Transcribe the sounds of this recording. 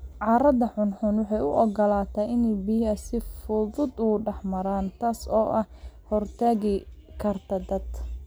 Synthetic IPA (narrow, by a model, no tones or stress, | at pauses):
ʕɑːɾɐðɐħʊnħʊnwɑħɑjʊʔɔɡɔlaːt̪ʰaːɪnɛjbijɐsɪfʊðʊd̪ʊɖɛħmɐɾaːnt̪ʰaːsɔːʔɐhhɔrt̪ʰaːɣɪkʰɐrt̪ʰɐd̪ɐd̪